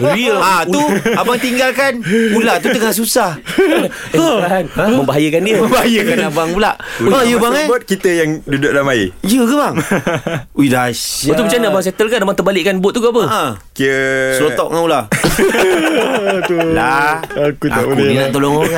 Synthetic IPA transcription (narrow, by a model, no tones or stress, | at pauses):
iat̪uabaŋt̪iŋɡalkanulat̪ut̪əŋaʔs̬usah | aaanməmbaɦajəkandiəməmbaɦajəkanabaŋpula̰ʔajəbaŋabat̪̚kit̪əjaŋdudʊk̚lamaijəkəbaŋ | udasat̪umat͡ʃanəabaŋs̬et̪əlkaʔdabaŋt̪əbalɪʔkːanbʊt̪̚ːukaapəakiəslot̪ɔʔ̚ŋaula | laakutaunənaʔt̪olɔŋŋa